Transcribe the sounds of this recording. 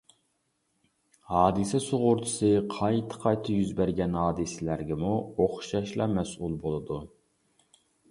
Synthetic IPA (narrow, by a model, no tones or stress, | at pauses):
hɑːd̪ɨsɛsoʁʊɾt̪ʰɨ̥sɨqʰɑjt̪ʰɨ̥qʰɑjt̪ʰɑjyzbæɾɡʲɛnhɑːd̪ɨsɪlæɾɡʲɛmuoχʃɑʃlˠɑmɛsʔulˠbolˠɨd̪u